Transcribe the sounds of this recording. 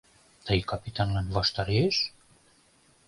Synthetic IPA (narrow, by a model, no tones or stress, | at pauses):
t̪ajkapit̪anlanvast̪aɾes